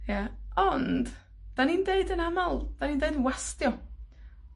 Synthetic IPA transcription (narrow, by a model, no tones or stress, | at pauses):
jaɔnd̥ | d̥aniːndeɨdənamalˠd̥aniːndeɨdənwastjɔ